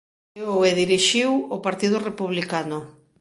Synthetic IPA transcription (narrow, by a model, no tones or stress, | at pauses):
oweðiɾiʃiwopaɾt̪ið̞ʊrepuβlikanʊ